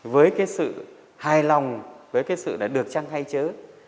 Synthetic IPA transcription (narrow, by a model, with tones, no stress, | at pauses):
vəː˨˦jkaː˨˦jsɨ̰˧˨ | haː˨˩jlɔ˨˩wŋ͡mvəː˨˦jkaː˨˦jsɨ̰˧˨ɗaː˨˩ɗɨ˨˩ək̚t͡ɕa˧ŋha˧jt͡ɕəː˨˦